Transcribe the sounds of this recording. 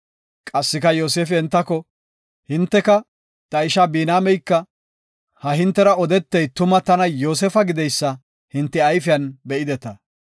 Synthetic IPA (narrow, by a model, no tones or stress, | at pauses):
kʼɐsːɪkɐjoːseːfɪɛnt̪ːɐkɔ | hɪnt̪ːɛkɐ | t̪ɐɪʃabiːnaːmɛjkːɐ | hɐɦɪnt̪ːɛɾɐɔd̪ɛt̪ːɛjt̪ʊmɐt̪ɐnɐjo̞ːs̬ɛːfɐɡɪd̪ɛjsːɐ | hɪnt̪ːɪɐjfɪjɐnbɛʔɪd̪ɛt̪ɐ